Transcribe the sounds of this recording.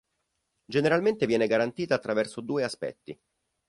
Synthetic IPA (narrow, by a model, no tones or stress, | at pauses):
d͡ʒeneɾalment̪evjɛːneɡaɾant̪iːt̪aːt̪ːɾavɛrsod̪uːeaspɛ̰t̪ːi